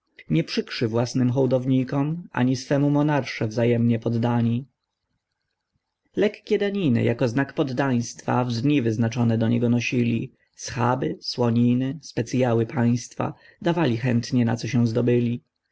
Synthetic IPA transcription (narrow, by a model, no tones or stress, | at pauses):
ɲɛpʂɘkʂɘvwasnɘmxɔwd̪ɔvɲikɔmʔa̰ɲisfɛmumɔnaɾʂɛvzajɛmɲɛpɔd̪ːaɲi | lɛkkʲɛd̪aɲinɘ̰jʔakɔznakpɔd̪ːaj̃st̪fa̰vd̪ɲivɘznat͡ʂɔnɛd̪ɔɲɛɡɔnɔɕilʲḭ | sxabɘswɔɲinɘspɛt̪sjawɘpaj̃st̪fa̰ | d̪avalʲixɛnt̪ɲɛna̰t̪sɔɕɛw̃zd̪ɔbɘlʲi